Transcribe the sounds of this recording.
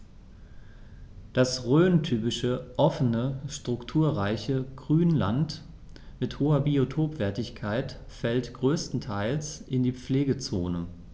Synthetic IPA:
d̥asʁøːntʰyːpɪʃəʔɔfənəʃtʁ̥ʊktʰuːɐʁaɪçəɡ̥ʁyːnlant | mɪthoːɐbiotʰoːpv̥ɛɐtɪçkʰaɪt | fɛltɡ̥ʁøːstn̩tʰaɪlsʔɪndiːp͡fleːɡət͡soːnə

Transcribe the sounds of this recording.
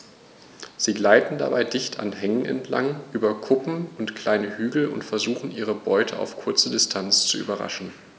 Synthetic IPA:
z̥iːɡlaɪtn̩da̰baɪdɪçtʰa̰nɦɛŋənʔɛ̰ntʰla̰ŋʔyːbɐkʰʊpm̩ʊntkʰl̥aɪnəhyːɡl̩ʊ̰ntfɛɐzuːχn̩ʔiːʁəbɔʏtʰəʔa̰ʊfkʰʊɐt͡sədɪstʰant͡st͡suʔy̰ːbɐʁa̰ʃn̩

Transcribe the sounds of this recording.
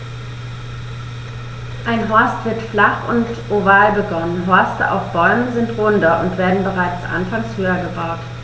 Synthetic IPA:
ʔaɪnɦɔɐstv̥ɪɐtflaχʊ̰ntʔovaːlbəɡɔnənɦɔɐstəʔa̰ʊfb̥ɔʏməzɪntʁʊndɐʔʊntv̥eːɐdn̩bəʁaɪt͡sʔa̰nfaŋshøːɐɡəbaʊt

